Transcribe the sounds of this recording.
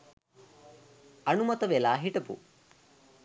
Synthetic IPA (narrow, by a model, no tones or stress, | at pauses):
ɐnumɐt̪ɐʋelaːɦiʈɐpṵ